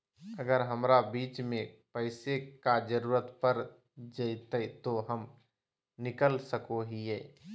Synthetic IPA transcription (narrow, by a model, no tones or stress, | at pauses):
əɡəɾɦəmɾabiːt͡ʃmẽpəɪsekad͡ʒəɾuːɾət̪pəɾ | d͡ʒəit̪əit̪oɦəm | nɪkəlsəkoɦiɛː